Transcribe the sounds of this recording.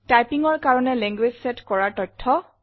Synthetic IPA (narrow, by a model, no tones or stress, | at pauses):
tajpiŋɔɹkaɹɔnɛlɛŋɡwed͡ʑsɛtkɔɹaɹtɔjtʰːɔ